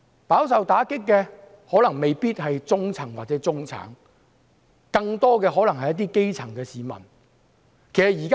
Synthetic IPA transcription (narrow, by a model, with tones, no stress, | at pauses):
paː˨˥ws̬ɐ˨wt̪aː˨˥kɪ˥kːɛː˧ | hɔː˨˥lɐ˨˩ŋme˨jpiː˥t̚hɐ˨jt͡sʊ˥ŋt͡sʰɐ˨˩ŋwaː˨t̚t͡sɛː˨˥t͡sʊ˥ŋt͡sʰa̰ː˨˥ŋ | kɐ˧ŋt̪ɔː˥kɛː˧ɦɔː˨˥lɐ˨˩ŋhɐ˨jɐ˥t̬̪iː˥ke˥jt͡sʰɐ˨˩ŋkɛː˧siː˨mɐ̰˨˩n | kʰe˨˩jsɐ˨˩jiː˨˩ka